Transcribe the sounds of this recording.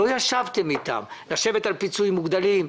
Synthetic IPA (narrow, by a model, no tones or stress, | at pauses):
o̞jaʃavt̪emit̪a̰mlaʃe̞ve̞t̪alpit͡suimːuɡd̪alim